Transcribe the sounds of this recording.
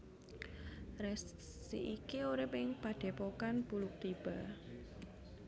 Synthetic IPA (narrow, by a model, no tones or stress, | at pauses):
rɛsː | ḭʔikioɾɪpɪŋpaɖ̪̥e̤pokanb̥ulʊk̚t̪ib̥a̤